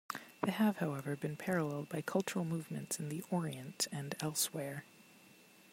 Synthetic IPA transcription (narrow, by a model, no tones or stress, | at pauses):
ðeɪəv̥haʊɛvə˞bɨ̃npʰɛɹəlɛlˠd̚baɪkʰʌlˠt͡ʃə˞l̩ˠmuvmɨ̃ntsɨ̃nðiʔɔɹiɨ̃ntɨ̃nɛlˠswɛɹ